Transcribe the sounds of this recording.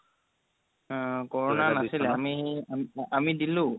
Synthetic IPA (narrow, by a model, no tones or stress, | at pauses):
kɔɹɔnanasilɛamiamamidilʊ